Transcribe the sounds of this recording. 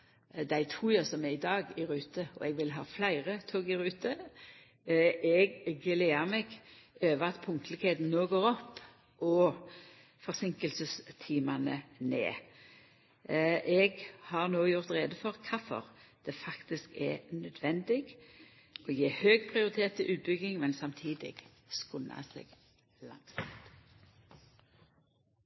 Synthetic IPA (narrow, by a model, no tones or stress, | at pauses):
d̪æɪt̪ʰuːjɑsɔmɛɪd̪ɑːɡɪɾʉːt̪əɔ̰ɛɡʋɪlɦɑːflæɪʁət̪ʰoːɡɪɾʉːt̪ə | ʔɛɡːleːəɾmɛɡøːʋəʁɑt̪pʰʊŋt̪lɪkheːt̪n̩noːɡoːʁɔpː | ʔɔ | fɔʁsɪŋkəlsəst̪ʰiːmɑnənḛː | ʔɛɡhɑʁnoːjʊʁt̪ʁeːd̪əfɔʁkʰɑfɔ̰ʁd̪̥ɛfɑkt̪ɪskɛnœd̪ʋɛnd̪ɪɡ | ɔjeːhøːɡpʰʁɪʊʁɪt̪ʰeːt̪ʰːɪʔʉːt̪̚bʏɡɪŋmɛnsɑmt̪ʰiːd̪ɪ̰ɡ | skʊnːa̰sɛ̰ɡ̥ | lɑ̰ŋsɪ̰kt̪